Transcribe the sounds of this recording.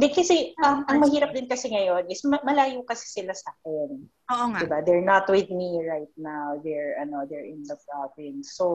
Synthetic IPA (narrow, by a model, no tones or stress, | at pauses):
d̪ɛkɐsɛʔɐmʔɐŋmɐhiːɾɐp̚d̪ɪnkɐsɛŋɐjo̞nɪsmɐmɐlaːjokɐsɪ̥sɪlasaːkɛn | oːʔoŋdaɪbad̪ɛɹnɐt̪wɪðmiɹajt̪̚nawd̪ɛɹɐno̞d̪ɛɹɪ̃nd̪ɐpɹabɪnsːo